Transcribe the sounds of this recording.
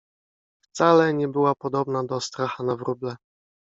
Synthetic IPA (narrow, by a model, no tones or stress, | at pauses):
ft̪salɛɲɛbɘwapɔd̪ɔbnad̪ɔst̪ɾaxanavɾublɛ